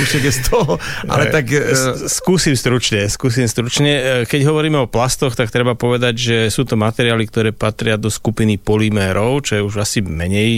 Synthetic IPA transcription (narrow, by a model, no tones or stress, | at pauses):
uʃɛɡɛst̪ʰɔɦɔʔa̰lɛt̪akskuːsimst̪ɾut͡ʃɲɛskuːs̬imst̪ɾut͡ʃɲɛkɛɟɦɔʋɔɾiːmɛɔplast̪ɔxt̪ak̚t̪ɾɛbapɔʋɛd̪aɟʒɛsuːt̪ɔmat̪ɛɾɪaːlik̚t̪ɔɾɛːpat̪ɾɪad̪ɔskupinipɔlimɛːɾɔʊt͡ʃɔjɛuʒasimɛɲɛj